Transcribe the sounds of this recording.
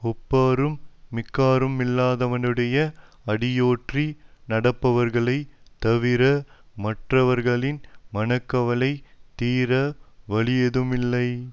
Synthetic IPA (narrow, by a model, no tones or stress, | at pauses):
ɔpːaːɾɯmːɪkːaːɾɯmɪlːaːðɐʋɐnɯɽɐjɐ | ɐɽɪjoːʈrinɐɽɐpːɐʋɐɾɣɐɭɐɪt̪ɐʋɪɾɐmɐʈrɐʋɐɾɣɐɭɪnmɐnɐkːɐʋɐɭɐɪt̪iːɾɐʋɐɭɪjɐðɯmɪlːɐɪ